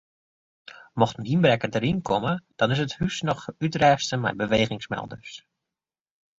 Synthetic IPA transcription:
mɔχtyinbrɛkədəɾɪnkɔməd̥ɑnɪs̬əthysnɔχytrɛjstəmɛ̰jbəʋejχɪŋsmɛ̰lˠdə̰ɹs

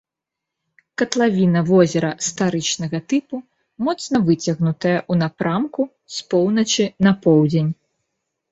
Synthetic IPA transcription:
kɐt̪lˠavʲinɐvɔzʲɛɾɐst̪aɾɨt͡ʂnɐɣɐt̪ɨpu | mɔt̪snɐvɨt͡sʲɐɣnut̪ɐjɐʔunapɾʔamku | spɔwnɐt͡ʃɨnɐpɔwd͡zʲenʲ

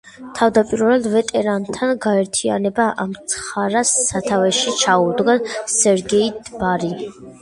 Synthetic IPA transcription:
t̪ʰavd̪apʼiɾvɛlˠvɛt̪ʼɛɾant̪ʰanɡaɛɾt̪ʰia̰nɛbaʔamt̪sʰχaɾasːat̪ʰavɛʃit͡ʃʰaud̪ɡasɛɾɡɛid̪baɾi

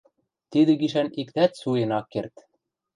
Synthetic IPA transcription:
t̪id̪ɘ̆ɡiʃænikt̪æt̪sujɤ̆nɑkːert̪

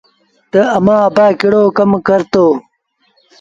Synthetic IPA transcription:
t̪ɐɐmaːbaːkiɽoːkɐmkɐɾt̪oː

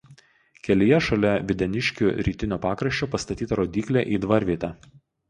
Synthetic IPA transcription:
kʲɛlʲɪjɛʃɐlʲɛʋʲɪd̪ʲɛnʲɪʃʲkʲuːɾʲiːt̪ʲɪnʲoːpɑːkɾɐʃʲt͡ʃʲoːpɐst̪ɐt̪ʲiːt̪ɐɾoːd̪ʲiːklʲeˑʔiːd̪ʋɐɾʲʋʲiːt̪ʲæ

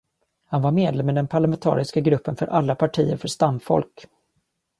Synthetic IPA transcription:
hanvaɾmeːd̪lɛmːɛd̪ɛnpʰaɭamɛnt̪ʰɑ̰ːɾɪskaɡɾɵpːənfœ̰ɾʔalːapʰaʈʰiːəɾfœʂt̪amfɔ̰lk

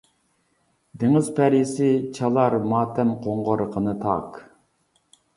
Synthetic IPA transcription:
d̪eŋɪzpʰæɾjɪsɪt͡ʃʰɑlˠɑɾmɑːt̪ʰɛmqʰoɴʁoɾəqʰənɨt̪ʰɑ̰q

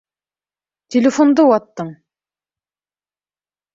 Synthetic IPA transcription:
t̪ʲʰelʲefond̪owɑt̪ːɤɴ

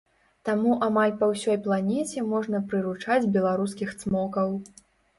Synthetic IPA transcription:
t̪amuʔamalʲpɐwsʲɔjplˠanʲɛt͡sʲɛmɔʐnɐpɾɨɾut͡ʂad͡zʲbʲɛlˠaɾuskʲixt̪smɔkɐw

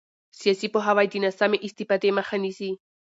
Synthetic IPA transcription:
siasipoɦaβajd̪inasameʔist̪ipat̪emaxanisi

